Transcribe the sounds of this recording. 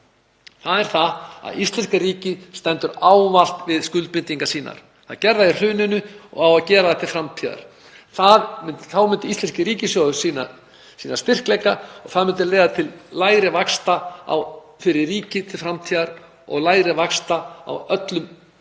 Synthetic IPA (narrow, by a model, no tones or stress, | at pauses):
θaðɛɾ̥θaa̰ðist̪lɛnskaɾiːcɪst̪ɛnt̪ʏɾaːwmal̥t̪vɪðskʏlt̪̚pɪnt̪iŋkasiːna̰ɾ̥ | θa̰ðcɛɾðaɪr̥ʏːnʏnʏɔ̰ɣawaðcɛːɾaðɛt̪ʰɪlfɾamt̪ʰiːða̰ɾ̥ | θaðmɪnt̪θaːwmʏnt̪ɪist̪ɛnscɪɾiːcɪsjɔðʏsiːna̰ | siːnast̪ɪr̥klɛjkaɔɣθaðmʏnt̪ɪlɛːjɣðat̪ʰɪllaːjɾɪvakst̪aa̰w | fɪɾɪɾːiːcɪt̪ʰɪlfɾamt̪ʰiːðaɾ | ɔ̰ɣlaːjɾɪvakst̪aa̰wœt̪lʏm